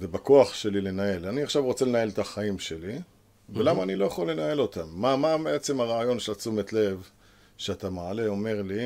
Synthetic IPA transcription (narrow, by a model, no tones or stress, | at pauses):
vebakoaχʃe̞lile̞nae̞laniaχʃavʁo̞t͡se̞lenae̞lt̪aχaimʃe̞li | velamaːnilo̞jaχolːe̞nae̞lo̞t̪amːamabeet͡semaʁaːjo̞nʃelat͡sumet̪le̞v | ʃeat̪amaʕale̞o̞me̞ʁli